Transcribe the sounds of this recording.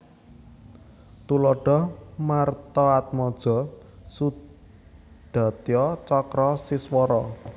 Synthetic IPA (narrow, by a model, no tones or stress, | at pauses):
t̪ulɔɖ̥ɔ̤mart̪ɔat̪̚mɔd̥ʒ̥ɔ̤ | su | d̪̥a̤t̪iɔt͡ʃɔkɾɔsiswɔɾɔ